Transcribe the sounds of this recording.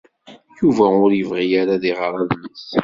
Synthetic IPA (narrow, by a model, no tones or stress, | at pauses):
juvæʊɾjəvʁijaɾaðiʁɾˤɑðnəθ